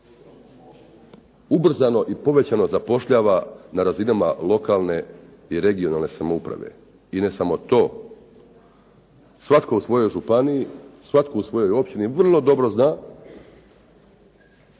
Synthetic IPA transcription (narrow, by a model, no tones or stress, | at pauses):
ubr̩zano̞ʔipo̞ʋe̞t͡ɕano̞zapo̞ʃʎaːʋanaɾazinamalo̞kaːlˠne̞ | iɾe̞ɡio̞nalˠne̞samoupɾa̰ʋe̞̰ | ine̞samo̞t̪o̞ː | sʋat̪ko̞usʋo̞jo̞jʒupaniisʋat̪ko̞usʋo̞jo̞jo̞pʃt̪iniʋr̩lˠo̞d̪o̞bɾo̞znaː